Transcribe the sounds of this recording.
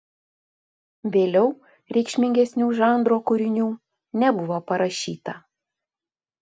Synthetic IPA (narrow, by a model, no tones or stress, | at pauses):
ʋʲeːlʲɛʊ | ɾʲɛɪkʃʲmʲɪŋʲɡʲɛsʲnʲuːʒɑˑnd̪ɾoːkʊɾʲɪnʲuː | nʲɛbʊʋoːpɐɾɐʃʲiːt̪ɐ